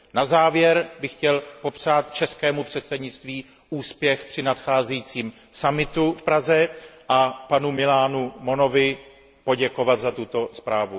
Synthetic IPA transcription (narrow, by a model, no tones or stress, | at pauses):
nazaːvjɛɾbɪxcɛlpo̞pr̥aːt̪̚t͡ʃɛskɛːmupr̝̥ɛt̪sɛdɲɪt͡st̪viː | ʔuːspjɛxpr̝̥ɪnat̪xaːzɛjit͡siːm | samɪt̪ufpɾazɛʔapanumɪlaːnumo̞no̞vɪ | po̞ɟɛko̞vat̪zat̪ut̪o̞spɾaːvu